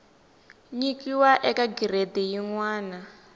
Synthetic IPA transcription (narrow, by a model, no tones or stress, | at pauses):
ɲikiwaʔɛkaɡiɾedɛjiŋwaːna